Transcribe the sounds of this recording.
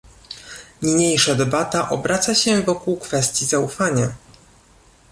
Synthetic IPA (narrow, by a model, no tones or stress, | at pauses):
ɲiɲejʂad̪ɛbat̪aʔɔbɾʔat̪saɕɛvɔkuwkfɛst̪ʲjizaufaɲa